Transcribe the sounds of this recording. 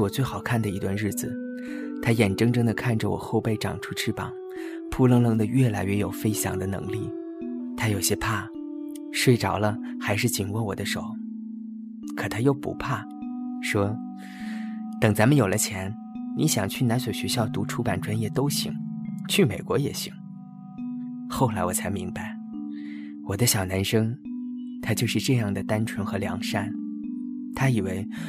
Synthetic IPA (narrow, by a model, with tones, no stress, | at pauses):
wɔ˨˩t͡swe˥˩ɪxɑ˨˩ʊkʰa˥˩nd̪ə˩i˧˥t̪wa˥˧nɻɻ̩˥˩d͡zɹ̩˩ | t̪ʰa˥jɛ˨˩nʈ͡ʂɤ˥ŋʈ͡ʂɤ˥ŋd̪ə˨kʰa˥˩nʈ͡ʂə˨˩wɔ̰˨˩xo˥˧ʊpe˥˩ɪʈ͡ʂɑ̰˨˩ŋʈ͡ʂʰu˥ʈ͡ʂʰɻ̩˥˩pɑ̰˨˩˦ŋ | pʰu˥˧lɤ˥˧ŋlɤ˥˧ŋd̪ə˧ɥɛ˥˩la˧˥ɪɥɛ˥˩jo˨˩ʊfe˥ɪɕjɑ̰˨˩ŋd̪ə˦nɤ̰˧˥ŋli˥˩ | t̪ʰa˥jo˨˩ʊɕjɛ˥pʰa˥˩ | ʂwe˥˩ɪʈ͡ʂɑ˨˩ʊlə˦ | xa˧˥ɪʂɻ̩˥˩t͡ɕi˨˩nwɔ˥˩wɔ˨˩d̪ə˦ʂo˨˩˦ʊ | kʰɤ˨˩t̪ʰa˥jo˥˩ʊpṵ˧˥pʰa˥˩ | ʂwɔ˥ | t̪ɤ˨˩ŋt͡sa˧˥nmə˨˧jo˨˩lə˦t͡ɕʰjɛ˧˥n | ni˧˥ɕjɑ˨˩ŋt͡ɕʰy˥˩na˧˥nswo˨˩ɕɥɛ˧˥ɕjɑ˥˩ʊt̪u˧˥ʈ͡ʂʰu˧˥pa˨˩nʈ͡ʂwa˥njɛ˥˩t̪o˥ʊɕḭ˧˥ŋt͡ɕʰy˥˩me˨˩ɪkwɔ˧˥jɛ̰˨˩ɕḭ˧˩˥ŋ | xo˥˩ʊla˧˥ɪwɔ˨˩t͡sʰa˧˥ɪmi˧˥ŋbpa˧ɪ | wɔ˨˩d̪ə˦ɕjɑ˨˩ʊna˧˥nʂɤ˥ŋt̪ʰa˥t͡ɕjo˥˧ʊʂɻ̩˥˧ʈ͡ʂɤ˥˧jɑ˥˩ŋd̪ə˩t̪a˥nʈ͡ʂʰwə˧˥nxɤ˧˥ljɑ̰˧˥ŋʂa˥˩n | t̪ʰa˥i˨˩we˧˥ɪ